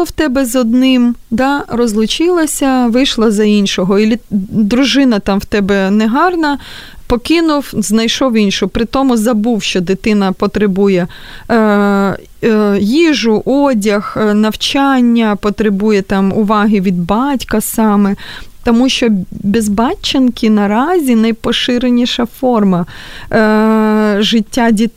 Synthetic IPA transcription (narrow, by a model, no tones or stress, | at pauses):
ɐwt̪ɛbɛzɔd̪nɪmd̪ɑrɔzlˠʊt͡ʃɪlˠɐsʲɐʋɪjʃlˠɐzɐinʲʃɔɦɔilʲid̪ɾʊʒɪnɐt̪ɑmwt̪ɛbɛnɛɦɑrnɐ | pɔkɪnʊwznɐjʃɔwinʲʃʊpɾɪt̪ɔmʊzɐbuwʃt͡ʃɔd̪ɪt̪ɪnɐpɔt̪ɾɪbujɛ | jiʒʊʔɔdʲɐxnɐwt͡ʃɑnʲːɐpɔt̪ɾɪbujɛt̪ɑmʊʋɑɦɪʋʲid̪bɑtʲkɐsɑmɛt̪ɔmuʃt͡ʃɔbʲɪzbɑt͡ʃːɐnkʲinɐɾɑzʲinɐjpɔʃɪɾenʲiʃɐfɔrmɐ | ʒɪtʲːadʲi